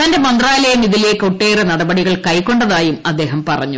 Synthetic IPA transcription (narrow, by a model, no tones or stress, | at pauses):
t̪ɐnde̞mɐnd̪raːlɐjɐmiðilekoʈːeːrenɐɽɐbɐɽiɣɐɭkɐjkːo̞ɳɖɐðaːjumɐd̪ːe̞ːɦɐmpɐrɐ̰ɲːu